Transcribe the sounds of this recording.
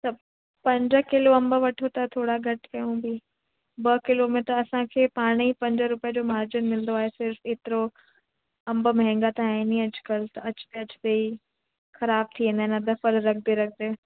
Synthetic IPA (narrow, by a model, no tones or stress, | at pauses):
t̪ɐb | pɐ̃ɲd͡ʑə̆kɪloɐ̃mbʋɐʈʰot̪ɐt̪ʰoːɽaɡɐʈʰkɐjũbɪ | bɐkɪlomẽʈəɾɐsãkʰeːpaːɽ̃ipɐ̃ɲd͡ʑəɾʊpijəd͡ʑoːmaːɾd͡ʑɪnmɪlnd̪oaːɦesɪɾfeːt̪ɪɾo | ɐ̃mbmɛɦɛ̃ŋɡat̪aːnĩɐd͡ʑ̥kɐlt̪ɐɐt͡ɕʊ̥t̪eɐt͡ɕt̪ei | xɐɾaːb̚t̪ʰinenad̪ɐfəɾɾɐk̚ʰd̪eɾɐk̚ʰd̪eː